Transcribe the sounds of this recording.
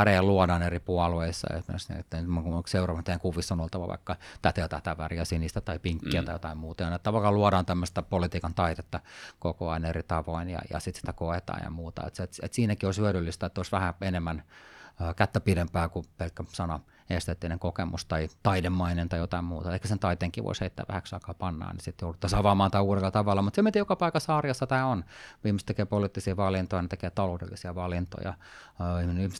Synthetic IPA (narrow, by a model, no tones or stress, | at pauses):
æreɑluɑdɑːneripuɑlueisːɑ̰ḛmḛsnḭt̪ːeinyt̪moŋkuokseurɑʋɑnt̪eæŋkuʋisːonolt̪ɑʋɑ̰ʋɑ̰ikːɑt̪æt̪elt̪æht̪æʋæriɑsinist̪æt̪ɑipiŋkːiæt̪ɑijot̪ɑimmuːt̪ɑjɑnet̪ːɑʋɑlkːɑluɑdɑːnt̪æmːøst̪æpolit̪iːkɑnt̪ɑit̪et̪ːɑkokoɑinerit̪ɑʋoinjɑ̰jɑ̰sit̪si̥t̪ækoet̪ɑ̰ːjɑ̰muːt̪ɑ̰ḛt̪set̪ḛt̪siːnækioshyøɾylːist̪æet̪ːoˑsʋæhæenemːænː | kæt̪ːæpidempæːkupelkːæsɑnɑ | est̪et̪ːiːneŋkokemust̪ɑit̪ɑidemːɑinent̪ɑijot̪ɑimmuːt̪ɑehkæsent̪ɑit̪eːŋkiːʋo̰isheit̪ːæ̰ːʋæ̰hæksɑikɑːpɑnːɑ̰ːnnisit̪joudut̪ːɑsɑʋɑmɑːnt̪ɑiuːɾelːɑt̪ɑʋɑlːɑmut̪semit̪ijokɑpɑikɑsɑːrjɑsːɑt̪æːonʋiːmist̪ekeːpolit̪ːisiːʋɑlint̪oijnet̪ekeːt̪ɑloudḛlːisiɑʋɑlint̪o̰jɑ̰ːihminiːhmis